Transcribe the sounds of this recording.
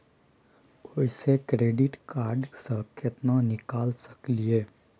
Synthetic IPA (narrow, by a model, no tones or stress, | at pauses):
osekɾeːɖɪʈkaːɾɖsə̃ɦkət̪nanɪkaːlsə̥klieː